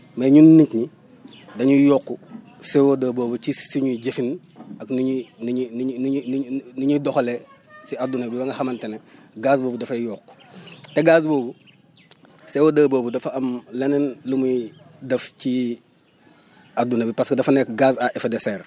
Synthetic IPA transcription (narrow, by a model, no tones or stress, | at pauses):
mɐɲunːiɲkɲi | dɐɲujɔːkːu | sɛwodɐːboːbut͡ʃisiɲuɟefin | ɐknuɲinɲnn | nuɲudɔxolesiadunɐbibɐŋɡɐxɐmɐntenɛɡaːsboːbudɐfɐjɔːkːu̥tɛɡaːs̬boːbu | sɛwodɐːboːbudɐfɐɐmlɛnɛnlumu | dɐfci | adunɐbipɐskdɐfɐnɛkɡaːsaʔefedɛsɛːr